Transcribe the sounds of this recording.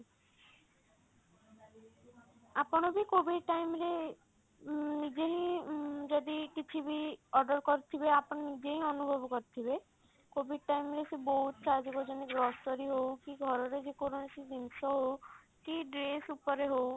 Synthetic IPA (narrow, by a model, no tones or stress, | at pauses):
apɔɽ̃ɔbikobiɖʈajmɾe | nid͡ʒeɦĩd͡ʒɔd̪ikit͡ʃʰibiɔɾɖɔɾkɔɾit̪ʰibeapɔɽ̃ɔnid͡ʒeɦĩɔnubʱɔbɔkɔɾit̪ʰibe | kobiɖ̚ʈajmɾesebɔɦut̪t͡ʃʰad͡ʒɔkɔd͡ʒɔnikɡɾɔsʈɔɾiɦowkiɡʱɔɾɔɾed͡ʒekoɾonesid̪insɔɦow | kiɖɾesupɔɾeɦow